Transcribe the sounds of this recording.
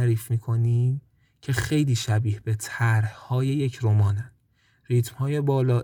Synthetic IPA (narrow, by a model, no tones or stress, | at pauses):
ɾiːfmiːkʰo̞niːm | cʰe̞xe̞jliːʃæbiːhb̥e̞t̪ʰæɾhhɒːje̞je̞cʰɾomɒːnæn | rit̪ʰmhɒːjebɒːlɒː